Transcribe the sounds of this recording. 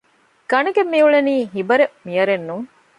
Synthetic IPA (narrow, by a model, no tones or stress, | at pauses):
ɡ̥ɐnɐɡemːiuɭeniːɦibɐɾemijɐɾenːuŋ